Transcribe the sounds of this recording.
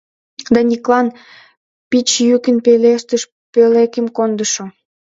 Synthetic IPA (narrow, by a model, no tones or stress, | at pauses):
d̪ɑnʲiklɑn | pit͡ɕjykənpeleʃt̪əʃ | pelekəmkond̪əʃo